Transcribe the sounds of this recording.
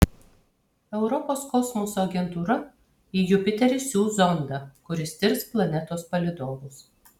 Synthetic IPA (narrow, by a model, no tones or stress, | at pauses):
ɛʊɾɔpoːskɔsmʊsoːɐɡʲɛnt̪uːɾɐ | iːjʊpʲɪt̪ʲɛɾʲɪsʲuːzɔnd̪ɑkʊɾʲɪst̪ʲɪɾsplˠɐnʲɛt̪oːspɐlʲɪd̪oːʋʊs